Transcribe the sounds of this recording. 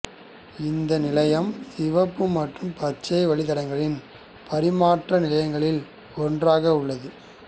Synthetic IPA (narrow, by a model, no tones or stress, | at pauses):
ɪnd̪ɐnɪlɐjɐmsɪʋɐpːɯmɐʈrɯmpɐt͡ʃːɐɪʋɐɭɪt̪ɐɽɐŋɡɐɭɪn | pʰɐɾɪmaːʈrɐnɪlɐjɐŋɡɐɭɪl | ɔndraːɣɐʊɭːɐðɯ